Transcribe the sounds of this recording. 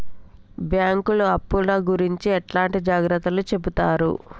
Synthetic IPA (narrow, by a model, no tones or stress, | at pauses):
bjaːŋkuluɐpːulɐːɡuɾiɲt͡ʃiɛʈlaːɳʈid͡ʒaːɡɾɐt̪ːɐlut͡ʃe̞but̪aːɾṵ